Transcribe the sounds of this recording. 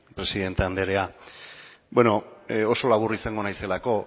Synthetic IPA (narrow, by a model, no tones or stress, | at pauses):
pɾe̞siðe̞nt̪eand̪e̞ɾea | bweno̞o̞so̞laβ̞urisaŋɡo̞najse̞lako̞